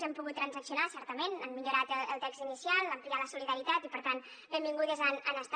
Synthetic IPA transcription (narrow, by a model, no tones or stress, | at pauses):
zɛmpuɣut̪tːɾənzəksiunasɛɾt̪əmenəmmiʎuɾat̪əəlˠt̪ɛkz̥inisialˠəmplialəsuliðəɾit̪at̪ipəɾt̪an | bembiŋɡuðəzənənəst̪